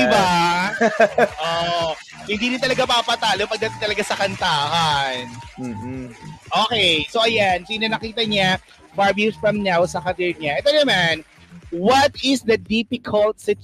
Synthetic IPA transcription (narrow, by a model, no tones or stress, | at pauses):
ɪba | ʔo | hɪ̃nd̪iːɾɪnt̪ɐlɐɡapapɐt̪aːlopɐɡ̚d̪ɐt̪ɪt̪ɐlɐɡasɐkɐnt̪aːhan̩ː | ʔoːkɛjsoʔɐjansiːnɐnɐkiːt̪ɐɲa | paɹbjusfɹɐmnawsɐkɐt̪ɛɹɲaʔɛt̪onɐman | wɐt̪ɪsd̪ɐd̪ipɪkʰɐlt̪̚sɪt̪